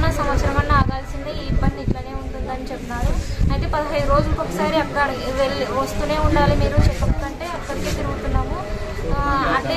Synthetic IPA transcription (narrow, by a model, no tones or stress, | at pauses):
nasɐmʋɐt̪sɐɾɐmɐnːaaːɡ̪aːlɐsind̪iiːibːɐnd̪iʈlɐne̞ːuɳʈund̪iɐnit͡ʃep̪ːunaːɾuɐjt̪e̞ːpɐd̪ɐɦɐj̪uɾo̞ːd͡ʒulɐkɔkːɐsaːɾiɐkːɐɽɐʋeɭiʋɐst̪uːne̞ːuɳɖaːlimiːɾut͡ʃɛpːɐpːɐk̪ɐɳʈe̞ːɐkːɐɽikiːt̪iɾuɡut̪unːaːmu | ɐnːi